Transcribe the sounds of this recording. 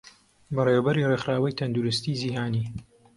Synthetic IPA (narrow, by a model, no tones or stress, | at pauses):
bɐreːwɐbɐɾirexɾaːwɐjt̪ʰɐnd̪uɾɨst̪iːziːɦaːniː